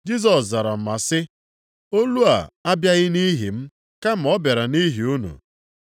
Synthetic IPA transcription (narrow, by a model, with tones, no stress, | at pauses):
d͡ʒi˦s̬ɔ˨sza˨ɾa˨m̩˨ma˨sɪ˦ | o˦lu˦a̰˨a˦bja˦ɣɪ˦ni˦ɦi˨m̩˦ | ka˦m̩˨ɔ˦be˨ɾa˨ni˦ɦi˨u˦nṵ˨